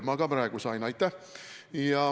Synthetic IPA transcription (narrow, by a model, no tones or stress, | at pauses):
mɑɡ̥ɑpɾɑeɡ̥usɑjnɑjt̪ˑːæhjɑ